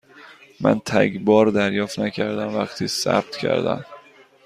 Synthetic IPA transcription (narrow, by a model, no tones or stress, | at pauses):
mɛ̰nt̪ʰæɡbɑːɾd̪æɾjɑfnækʰæɾd̪anvakt̪ʰɪsæ̰p̚t̪kʰæ̰ɾd̪a̰n